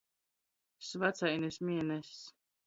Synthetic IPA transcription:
svat̪sajnesʲmʲiɛnɛsː

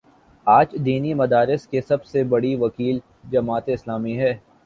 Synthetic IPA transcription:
aːd͡ʒd̪iːnimɐd̪aːɾɪskesɐbsebɐɽiʋɐkiːl | d͡ʒɐmaːt̪eɪslaːmiɦɛː

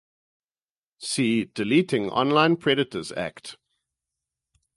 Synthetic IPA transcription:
siːdɪliˑtɪ̃ŋʔɔ̰̃nlãɪ̃npʰɹɛɾɪtəzæ̰kt

